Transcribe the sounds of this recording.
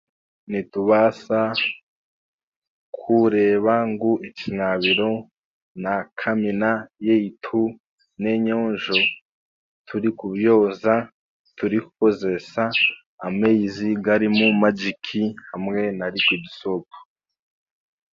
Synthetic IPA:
nituβasa | kʰuɾe̞ːβaŋɡuʔicinaβiɾo̞ | nakʰaminajeitʰu | neɲo̞ːɲʒo̞ | tʰuɾikuβjo̞ːza | tuɾiku̥ko̞ze̞ʃaː | meiziɡaɾimumad͡ʒikʰihamŋe̞naɾikwiɟisopo̥

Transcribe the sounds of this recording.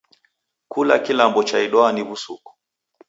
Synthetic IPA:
kula̰kilambɔt͡ʃaiɗɔaniβusuku̥

